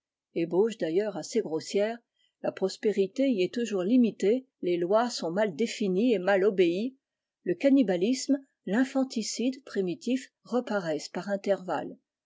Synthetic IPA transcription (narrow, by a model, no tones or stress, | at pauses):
eboʒd̪ajœʁaseɡʁosjɛːʁ | lapχɔspeʁit̪eiɛt̪uʒuʁlimit̪e | lelwasɔ̃mald̪efiniemalɔbei | ləkanibalism | lɛ̃fɑ̃t̪isid̪pχimit̪if | ʁəpaʁɛspaʁɛ̃t̪ɛʁva̰l